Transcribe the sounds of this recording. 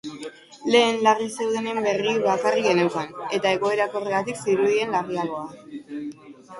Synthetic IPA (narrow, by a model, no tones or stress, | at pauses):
le̞ːnlarise̞wðe̞ne̞mbe̞riβakarike̞newkane̞t̪ae̞ɣo̞e̞ɾako̞reɣat̪iksiɾuð̞ie̞nlariaɣo̞a